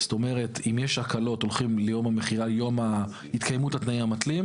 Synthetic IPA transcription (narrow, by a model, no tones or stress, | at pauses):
sto̞me̞ʁe̞timjeʃakalo̞tolχimlejo̞mhame̞χiʁaljo̞ma | hitkʰajmuthat̪naiamat̪lim